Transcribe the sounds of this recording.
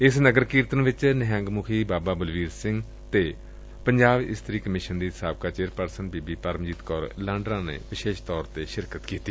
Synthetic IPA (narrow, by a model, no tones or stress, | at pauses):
ɪsnəɡəɾkiːɾt̪ənʋɪt͡ʃnɦɛ̃ːŋɡmʊkʰiːbaːbaːbəlʋiːɾsɪ̃ŋɡ | t̪eː | pəɲd͡ʒaːbɪ̰st̪ɾiːkəmɪʃənd̪iːt̪saːb̚kaːt͡ʃeːɾpəɾsənbiːbiːpəɾmd͡ʒiːt̪kɔːɾlãːɳɖɾãːnḛːʋɪʃeːʃt̪ɔːɾt̪eːʃɪɾkət̪kiːt̪iː